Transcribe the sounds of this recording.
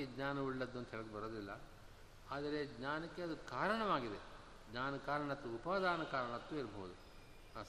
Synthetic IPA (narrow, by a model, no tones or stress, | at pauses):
iɡɲaːnɐʋiɭːɐd̪ːond̪uɦɛɭɐɡebɐɾoːd̪ilːɐ | aːd̪ɐɾe̞ɡɲaːnɐkːeɐd̪ukaːɾɐɳɐʋaːɡid̪e | ɡɲaːnɐkaːɾɐɳɐt̪ːuupaːd̪ʱaːnɐkaːɾɐɳɐt̪ːuːiɾɐbɐɦud̪u | a